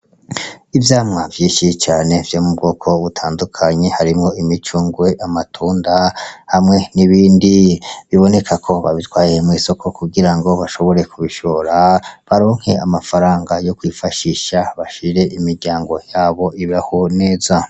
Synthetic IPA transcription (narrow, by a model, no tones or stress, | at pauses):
ivjaːmŋavjiːnʃit͡ʃaːne̞vjo̞mubɡo̞ːkʰo̞βutʰaːndukʰaɲe̞haɾimŋo̞imit͡ʃuːŋɡwe̞ʔamatʰuːndahamŋe̞niβiːndiβiβo̞ne̞kʰakʰo̞βa̰βitwaːjemŋiːso̞kʰo̞kuɡiɾaŋɡo̞βaʃo̞βo̞ɾe̞kuβiʃo̞ɾaβaɾo̞ːŋ̥he̞amafaɾaːŋɡajo̞kwifaʃiʃaβaʃiɾe̞ʔimiɾɟaːŋɡo̞jaːβo̞iβahone̞ːza